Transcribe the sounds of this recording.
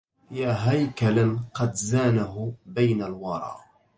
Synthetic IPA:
jaːɦajkalaqɑd̪zaːnaɦʊbajnalwɑɾˤɑ̰ːʔ

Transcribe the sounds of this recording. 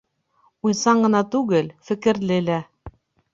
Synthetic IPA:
ujsɑɴɢɤ̆nɑt̪ʉɡɘlfɘ̆kɘ̆ɾlɘlæ

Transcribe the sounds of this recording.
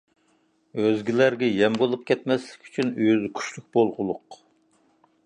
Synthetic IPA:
øzɡʲilæɾɡʲɛjɛmbolˠup̚kʲɛt̪̚mɛslɪ̥kʲʰy̥t͡ʃʰynyjzkʲʰy̥ʃlyk̚ʲbolˠʁʊlˠʊq

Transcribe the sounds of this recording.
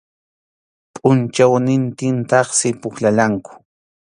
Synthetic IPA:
pʼʊnt͡ʃawnɪnt̪ɪnt̪ɑχsɪpʊxlalaŋkʊ̥

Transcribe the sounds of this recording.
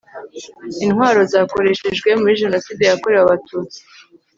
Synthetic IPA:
inhwaːɾo̞zaːko̞ɾe̞ʃe̞ʒɡwe̞muɾiʒe̞no̞siːde̞jakoɾe̞waβatuːt͡si̥

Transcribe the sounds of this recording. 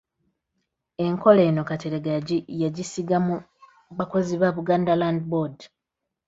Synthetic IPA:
e̞ŋko̞le̞ːno̞kateɾeɡaɟijaɟisiɡamu | βako̞ziβaβuɡaːndalandibod

